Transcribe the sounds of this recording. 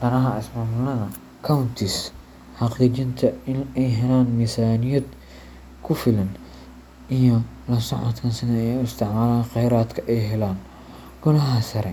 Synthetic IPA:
d̪ɐnɐɦɐɪsmaːmʊlɐðɐ | kʰawnt̪ʰis | ħɑqd̪it͡ʃɪnt̪ʰɐɪnɛjɦɛlaːnmisaːnijɐd̪ | kʰʊfɪlɐn | ʔijɔ | lɐsɐʕɔ̰t̪kʰɐnsɪnɛɛjʊɪst̪ʰɪʕmaːlaːnqɛjɾaːd̪kʰɐʔɛjɦɛlaːn | ɡ̥ʊnɐɦɐsɐɾɛ

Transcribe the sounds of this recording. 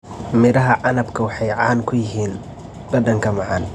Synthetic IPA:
mɪɾɐɦɐʕɑnɐbkʰɐwɑħɑjʕɑːnkʰʊjɪɦiːn | b̥ɐd̪ɐŋkʰɐmɑʕɑn

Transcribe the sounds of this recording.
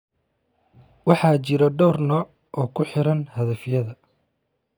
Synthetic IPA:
wɑħɑːt͡ʃɪɾɐɖɔːrnɐ | ʔɔːkʰʊħɪɾɐnhɐðɐfjɐðɐ

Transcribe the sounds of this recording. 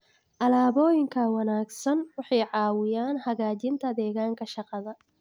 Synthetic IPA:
ʔɐlaːβɔːjɪŋkʰɐwɑnaːɡsɐnwɑħɑjʕɑːwɪjaːnhɐɣaːt͡ʃɪnt̪ʰɐd̪ɛːɣaːŋkʰɐʃɑqɑðɐ

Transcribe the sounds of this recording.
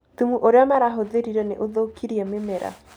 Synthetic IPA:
tumuʔoɾeɔmaɾaɦoðeɾiɾɛneʔoðokʰiɾiememeɾa̰

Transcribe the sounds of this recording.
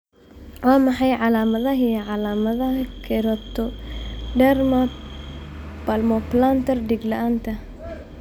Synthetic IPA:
waːmɐħɑjʕalaːmɐðɐɦijʕalaːmɐðɐhkʰɛɾɔt̪ʰɔɖɛrma | pɐlmɔplant̪ɐrdiɡlɐʔaːnt̪ʰɐ

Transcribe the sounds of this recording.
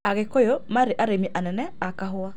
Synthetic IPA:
aɣekojomaɾeʔaɾemiʔanɛnɛakaɦoa

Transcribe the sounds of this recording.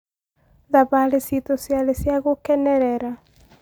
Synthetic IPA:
ðaβalesit̪osjalesjaɣokɛnɛɾɛɾa

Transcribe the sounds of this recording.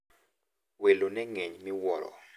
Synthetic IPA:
welonɛŋeɲmiwɔlɔ̰

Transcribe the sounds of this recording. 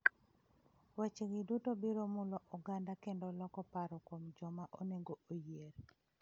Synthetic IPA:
wat͡ʃeɡɪdutobiɾomʊlɔʔuɡandakendolɔkɔpaɾɔkomd͡ʒɔmaʔoneŋɡoojeɾ

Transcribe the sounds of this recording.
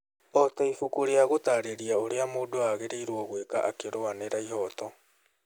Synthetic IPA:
ɔtɛifukuɾeaɣotaɾeɾiaoɾeamoːdoaɣeɾeiɾwɔɣwekaʔakeɾoaneɾaiɦɔtɔ

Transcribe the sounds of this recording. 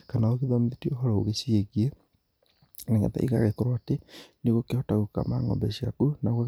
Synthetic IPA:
kanaoɣeðɔmeðetiɔɦɔɾɔoɣesieɣie | neŋa̰ta̰ʔḭɣa̰ɣekɔɾwaːteneɣokehɔtaɣuka̰ma̰ŋɔ̰bɛɕiakunaɣa

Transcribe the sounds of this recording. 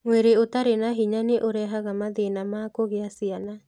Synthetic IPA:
mweɾeotaɾenaɦiɲaneʔoɾɛɦaɣamaðenamaːkoɣeasiana

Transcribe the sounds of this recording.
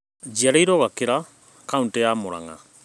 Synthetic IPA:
d͡ʒiaɾɛjɾɔɣakeɾa | kauntejaːmoɾa̰ŋa̰

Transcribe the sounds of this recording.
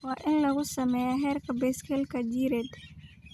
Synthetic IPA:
wɑːʔɪnlɐɣʊsɐmɛjaɦɛːrkʰɐbɛjskʰɛlkʰɐd͡ʒiːɾɛd̪

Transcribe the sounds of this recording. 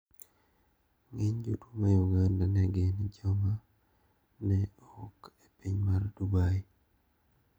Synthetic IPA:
ŋeɲd͡ʒutumajuɡandanaɡenid͡ʒɔma | nɛ | ɔkepiɲmardubai

